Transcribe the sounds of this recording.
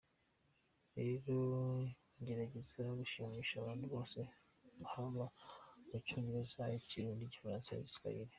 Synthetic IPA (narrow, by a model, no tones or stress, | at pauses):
ɾeɾo | ɲɟe̞ɾaɟezaɡuʃiːmiːʃaβaːnhuβo̞ːse̞ | uhaβamut͡ʃuːmbiezaiciɾuːndiɟifaɾãːnsaja̰βiska̰iɾe